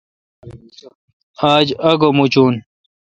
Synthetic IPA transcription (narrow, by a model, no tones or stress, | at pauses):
aːd͡ʑɐɡomut͡ɕuːn